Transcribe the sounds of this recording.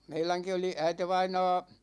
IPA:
meilæŋki oli æiteʋɑinɑː

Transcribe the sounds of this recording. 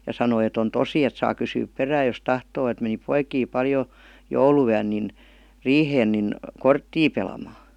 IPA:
jɑ sɑnoi et on tosi et sɑː kysyːp peræːj jos tɑhtoː et meni poikiː pɑljo jouluyæn nin riːheːn nin kortːiː pelɑmɑː

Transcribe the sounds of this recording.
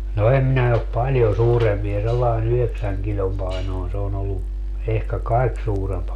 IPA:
no em minæ op pɑlʲjo suːrempie selːɑin yheksæŋ kilʲom pɑinoˑin se on olːu ehkæ kɑik suːremp

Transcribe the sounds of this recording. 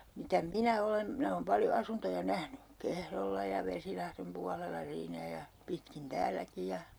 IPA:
mitæ minæ olen minæ oːm pɑljo ɑsuntojɑ næhny kehrolːɑ jɑ ʋesilɑhrem puɑlelːɑ siːnæ jɑ pitkin tæːlæki jɑ

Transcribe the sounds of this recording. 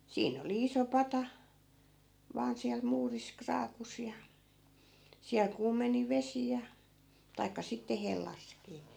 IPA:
siːn oli iso pɑtɑ ʋɑːn siæl muːris krɑːkus jɑ siæl kuːmeni ʋesi jɑ tɑikːɑ sitːe helːɑskiː

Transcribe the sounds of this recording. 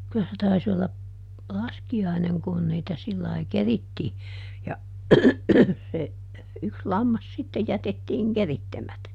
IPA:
kylæ se tɑis olːɑ lɑskiɑineŋ kun niːtæ silːɑi keritːiː jɑ se yks lɑmːɑs sitːe jætetːiːŋ keritːemætæ

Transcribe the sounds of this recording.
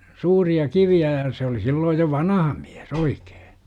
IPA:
suːriɑ kiʋiæ jɑ se oli silːoːj jo ʋɑnɑhɑ mlæ̥s oike̥ː

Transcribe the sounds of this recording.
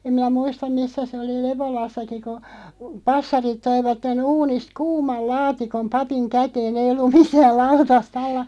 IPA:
em min̆æ muistɑm misːæ se oli leβolɑsːɑki ku pɑsːɑrit toiʋɑtːen uːnist kuːmɑl lɑːtikom pɑpiŋ kæteːn eij̆ olːum mitæːl̆ lɑutɑst ɑlːɑ

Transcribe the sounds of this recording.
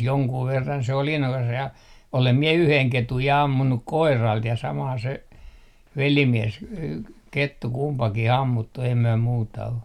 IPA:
joŋkuː ʋerːɑn se oli inːokɑs jɑ olem mie yheŋ ketuj jɑ ɑmːunːuk koirɑlt jɑ sɑmɑn se ʋelimies k ketːu kumpɑkih ɑmːutːu ei myø muːtɑ o

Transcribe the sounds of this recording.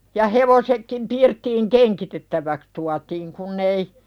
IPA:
jɑ heʋosekːim pirtːiːŋ keŋkitetːæʋæks tuɑtiːŋ kunː ei

